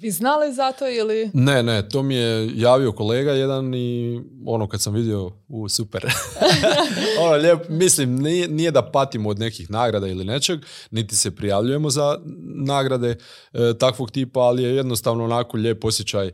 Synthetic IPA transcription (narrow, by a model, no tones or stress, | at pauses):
ʋiznalizat̪oilinenet̪o̞ːmijejaːʋio̞ko̞le̞ːɡaje̞d̪ani | o̞̰nokad̪samʋid̪io̞ | usupḛɾ | onoʎe̞ːpmislimninije̞d̪apat̪imood̪ne̞kixnaːɡɾad̪ailine̞t͡ʃe̞ɡnit̪i̥se̞pɾijaʋʎuje̞mo̞zanaːɡɾad̪e̞ | t̪akʋo̞ɡt̪iːpaːlije̞je̞d̪no̞st̪aːʋnoonaːko̞ʎe̞ːpo̞sjet͡ɕaj